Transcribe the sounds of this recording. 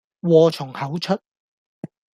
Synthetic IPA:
wɔː˧t͡ʃʰʊ˨˩ŋhɐ˨˥wt͡ʃʰɵ˥t̚

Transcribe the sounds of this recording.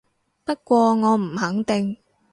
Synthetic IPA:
pɐ˥t̚kʷɔː˧ŋɔː˨˧m̩˨˩hɐ˨˥ŋt̪ɪ˨ŋ

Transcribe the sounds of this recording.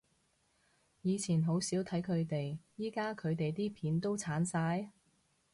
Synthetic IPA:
jiː˨˧t͡sʰiː˨˩nɦo˨˥wsiː˨˥wt̪ʰɐ˨˥jkʰɵ˨˧ɥt̪e˨jjiː˥kaː˥kʰɵ˨˧ɥt̪e˨jt̪iː˥pʰiː˨˥nt̪o˥wt͡sʰaː˨˥nsaː˧j

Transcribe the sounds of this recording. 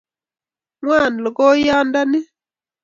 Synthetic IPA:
ŋwa˦˨n˨lɔ˨kɔ˦ja˦nda˦ni˦

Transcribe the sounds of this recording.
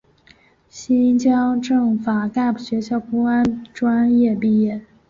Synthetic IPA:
ɕi˥nt͡ɕjɑ˥ŋʈ͡ʂɤ˥˩ŋfa˨˩ka˥˩pu˨˩ɕɥɛ˧˥ɕjɑ˥˩ʊku˥ŋa˥nʈ͡ʂwa˥njɛ˥˧pi˥˩jɛ˥˩

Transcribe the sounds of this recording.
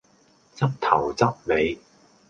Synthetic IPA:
t͡sɐ˥p̚t̪ʰɐ˨˩wt͡sɐ˥p̚le˨˧j

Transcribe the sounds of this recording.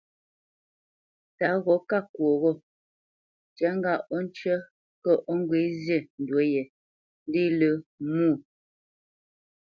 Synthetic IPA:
ta˨˦ɣɔ˨˦ka˦˨kwo˨ɣɔ˦ | t͡ʃa˨˦ŋ˦ɡa˦ʔɔ˦n˦t͡ʃə˦ | kə˦ʔɔ˦ŋ˦ɡwe˨˦zje˦˨n̩˨dwo˨˦jɛ˨ | n˦di˦lə˨˦muː˦˨

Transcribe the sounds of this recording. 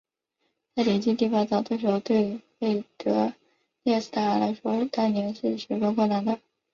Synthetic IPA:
t͡sa˥˩ɪle˨˩t͡ɕi˥˧t̪i˥˩fɑ˥˩t͡sɑ˨˩ʊt̪wɤ˥˩ʂɻ̩˧˥o˥ʊt̪we˥˧ɪfe˥˩ɪt̪ɤ˧˥ | jjɛ˥˧s̩˥˩t̪ʰa˥˩ə˞˧˥la˧˥ɪʂwɔ˥t̪a˥nnjɛ˧˥nʂɻ̩˥˩ʂɛ˧˥kɑ˥kʰwɔ˥˩na˧˥nd̪ə˧

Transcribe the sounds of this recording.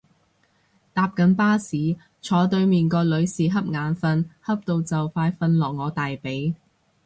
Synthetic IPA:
t̪aː˨p̚kɐ˨˥npaː˥siː˨˥ | t͡ʃʰɔː˨˥t̪ɵ˧ɥmiː˨nkɔː˧lɵ˨˧ɥsiː˨ɦɐ˥p̚ŋaː˨˧nfɐ˧nhɐ˥p̚t̪o˧wt͡sɐ˨wfaː˧jfɐ˧nlɔː˨˩k̚ŋɔː˨˧t̪aː˨jpe˨˥j

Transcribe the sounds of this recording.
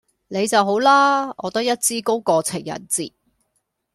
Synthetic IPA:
ne˨˧jt͡sɐ˨wɦo˨˥wlaː˥ɔː˨˧t̪ɐ˥k̚jɐ˥t̚t͡siː˥ko˥wkɔː˧t͡sʰɪ˨˩ŋjɐ̰˨˩nt͡siː˨

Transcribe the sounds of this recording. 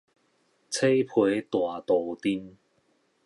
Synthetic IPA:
t͡sʰe˥jpʰu˨˧˥jt̪waː˨˩t̪o˨˧wt̪iː˥n

